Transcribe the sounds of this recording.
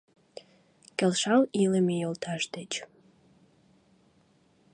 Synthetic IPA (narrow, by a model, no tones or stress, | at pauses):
kelʃɑliləmejolt̪ʰɑʃd̪et͡ɕ